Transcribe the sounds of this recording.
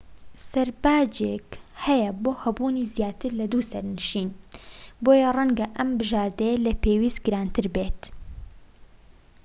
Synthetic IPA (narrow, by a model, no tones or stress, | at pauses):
sɐɾbaːd͡ʒekhɛjɐboːhɐbuːniːzjaːt̪ɨɾlɐd̪usɐɾnɨʃiːnboːjɐrɐŋɡɐʔɐmbɨʒaːɾd̪ɐjɐlɐpeːwiːst̪ɡɨɾaːnt̪ʰɨɾbeːt̪